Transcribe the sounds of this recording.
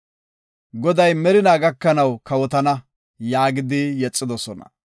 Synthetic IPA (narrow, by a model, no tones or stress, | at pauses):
ɡɔd̪ɐjmɛɾɪnaːɡɐkːɐnɐwkɐwɔt̪ɐnɐ | jaːɡɪd̪ɪjɛt͡sʼːɪd̪ɔsɔnɐ̰